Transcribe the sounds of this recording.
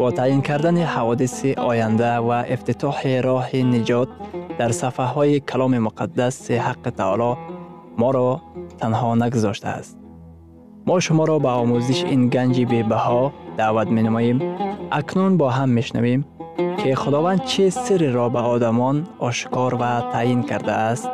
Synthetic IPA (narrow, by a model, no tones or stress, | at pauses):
b̥ɔt̪ʰajinkʰaɾd̪anihavɔd̪isiʔɔjand̪avaʔift̪it̪ʰɔħiɾɔhinid͡ʒɔt̪̚d̪̥aɾsafaɦɔikʰalɔmimʊqʰad̪ːasihaqːit̪ʰa̰lɔ | mɔɾɔt̪ʰanhɔnaɡuzɔʃt̪a̰a̰st̪̚ | mɔʃʊmɔɾɔbaɔmuziʃinɡand͡ʒibebahɔd̪̥aːvat̪menamɔjimʔaknunbɔɦamːeʃna̰vemkʰiχʊd̪ɔvand̪̚t͡ʃʰisiɾiɾɔbaɔd̪amɔnɔʃkɔɾvat̪ʰajinkʰaɾd̪aːst̪